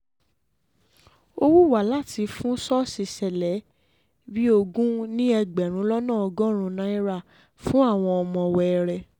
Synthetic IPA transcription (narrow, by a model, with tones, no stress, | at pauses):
o˧wu˦˨wa˨˦la˦˨ti˧fũ˦sɔ˦si˧sɛ˨lɛ˨˦ | bi˦o˧ɡũ˦nĩ˦ɛ˧ɡ͡bɛ˨ɾ̃ũ˨˦lɔ˦nãː˦˨ɔ˧ɡɔ̃˦ɾ̃ũ˧nã˦i˦ɾa˦˨ | fũ˦a˦˨w̃ɔ̃˧ɔ˧mɔ̃˧˨wɛ˧ɛ˧ɾɛ˨